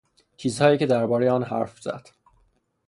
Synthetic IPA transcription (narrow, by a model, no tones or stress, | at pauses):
t͡ʃʰiːzhɒːjiːcʰe̞d̪æɾbɒːɾejeɒːnhæ̰ɾfz̥æ̰d̪̥